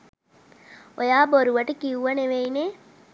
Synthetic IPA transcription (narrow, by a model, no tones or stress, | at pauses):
ojaːboɾuʋɐʈəkiuʋɐneʋejne